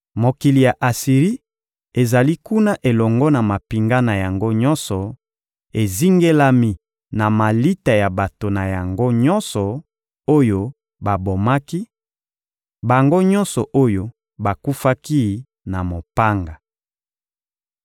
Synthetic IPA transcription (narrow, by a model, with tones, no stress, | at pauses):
mo˨ki˨li˨ja˨ʔa˨si˨ʁi˦ | e˨za˨li˦ku˦na˦ʔe˨lɔ˨ŋɡɔ˦na˨ma˨pi˨ŋɡa˦na˨ja˨ŋɡo˦ɲɔ˦nsɔ˨ | e˨zi˦ŋɡe˦la˦mi˨ | na˨ma˨li˦ta˨ja˨ba˨to˨na˨ja˨ŋɡo˦ɲɔ˦nsɔ˨ | o˦jo˦ | ba˨bo˨ma˦ki˦ | ba˨ŋɡo˦ɲɔ˦nsɔ˨ʔo˦jo˦ | ba˨ku˦fa˦ki˦ | na˨mo˨pa˦ŋɡa˨